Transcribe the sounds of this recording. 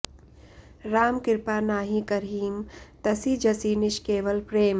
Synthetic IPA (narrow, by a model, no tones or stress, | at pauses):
ɾaːmkɪɾpaːnaːɦĩkɐɾɦiːmt̪ɐsiːd͡ʒɐsiːnɪʃkeːʋəlpɾeːm